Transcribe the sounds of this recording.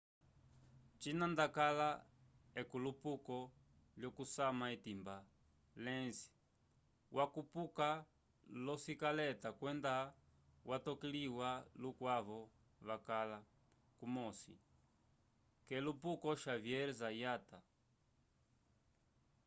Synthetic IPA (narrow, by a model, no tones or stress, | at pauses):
t͡ʃinandakalaɛkulupukɔ | ljɔkusamaitimba | lɛnzi̥ | wʔakupuka | lɔsikalɛtakwɛnda | watɔkiliwalukwaβɔ | βakala | kumɔsḭ | kɛlupukɔʃavjɛɾɛzajata